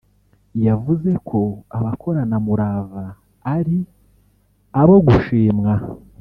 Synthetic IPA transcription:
javuze̞kʰo̞aβakʰo̞ɾanamuɾavaː | ɾi | aβo̞ɡuʃiːmŋa

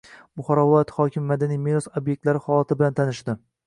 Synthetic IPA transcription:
bʊχɒɾɒvɪlˠɒjat̪hɒkʲʰɪmːmad̪anijmeɾɒsobje̞k̚ʲt̪laɾɪhɒlat̪ʰɪbɪlant̪ʰanɪʃt̪ɪ

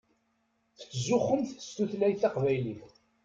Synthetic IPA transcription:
θə̥t͡sːzʊχːəmθəst̪uθlæjθɑqvæjliθ

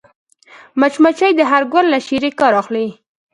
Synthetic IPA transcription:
mat͡ʃmat͡ʃajd̪əɦaɾɡallaʃiɾekɑɾɑxli

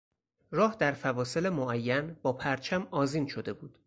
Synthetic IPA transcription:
ɾɒːhd̪æɾfævɒːse̞lemoæjːænbɒːpʰæɾt͡ʃʰæmɒːziːnʃo̞d̪e̞buːd̪̥

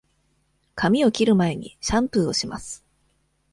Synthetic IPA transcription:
kʰamʲio̞kʲiɾɯ̟mae̞ɲ̟ḭɕãmpɯ̟o̞ɕimasɨ̥

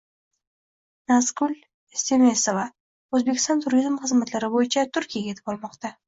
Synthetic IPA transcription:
nasɡʊlʲ | semesova | ɵzbe̞kʲʰɪst̪ɔnt̪ʰʊɾizmχɨzmat̪laɾɪbojɪt͡ʃʰat̪ʰʊɾkʲʰijaɡʲet̪ʰɪ̥bɒlˠmɒqt̪a

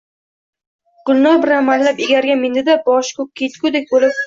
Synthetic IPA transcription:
ɡ̥ʊlˠnɒɾbɪɾanmːanlapeɡʲaɾɡʲamend̪ɪd̪abɒʃkʰʊk̚ʲkʰʲːet̪kʰʲʊd̪ek̚ʲbolɪp̚

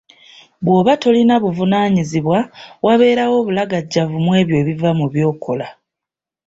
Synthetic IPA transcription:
βwo̞ːβato̞linaβuvunaːɲiziβwawaβe̞ːɾawo̞ːβulaɡaɟːavumwe̞ːβjo̞ːβivamuβjo̞ːkʰo̞la

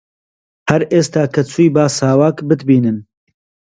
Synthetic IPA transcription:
hɐɾʔeːst̪aːkʰɐt͡sʰuːjbaːsaːwaːkbɨt̪biːnɨn

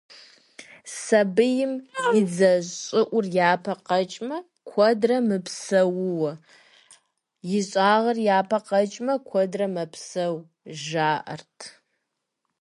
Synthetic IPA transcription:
sɐbɨjɪmjɪd͡zɐɕʼɪʔʷʊrjaːpʰɐqɐt͡ʃʼmɐ | kʷʰɔdrɐmɨpsɐwʊwɐ | jɪɕʼaːʁɐrjaːpʰɐqɐt͡ʃʼmɐkʷʰɔdrɐmɐpʰsɐw | ʒaːʔɐ̰rtʰ

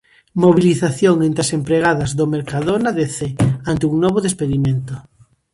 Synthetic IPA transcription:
moβiliθaθjoŋẽnt̪ɾasempɾeɣ̞aðazðomeɾkaðonaðeθeant̪euŋnɔβoðespeðimẽnt̪o

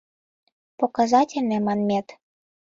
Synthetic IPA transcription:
pokɑzɑtʲelʲnĕmɑnmʲet̪

